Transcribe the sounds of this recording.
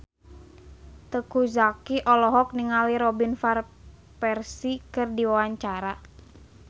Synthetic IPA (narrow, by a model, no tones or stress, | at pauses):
t̪əkuzakiʔɔlɔɦɔk̚niŋaliɾɔbinfar | pɛrsikɨrdiwawaɲt͡ʃaɾa